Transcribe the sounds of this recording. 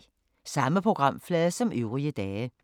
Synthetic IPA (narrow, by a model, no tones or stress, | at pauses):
sɑ̈məpʰʁo̝ɡ̥ʁɑ̈m̰flɛːðˠsɒ̽mʔøʊʁiəd̥ɛːə